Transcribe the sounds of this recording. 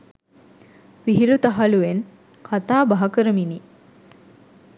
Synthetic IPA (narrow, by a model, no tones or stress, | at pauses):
ʋiɦiɾut̪aɦaluʋen | kʰat̪aːbaɦɐkəɾəmini